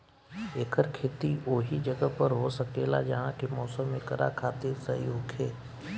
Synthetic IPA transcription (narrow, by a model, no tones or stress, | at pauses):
eːkʰəɾkʰeːt̪ioːɦid͡ʒəɡəpəɾɦosəkeːla̰d͡ʒaɦãkemɔːsəmːẽkəɾa̰kʰaːt̪ɪɾsɐɦḭoːkʰeː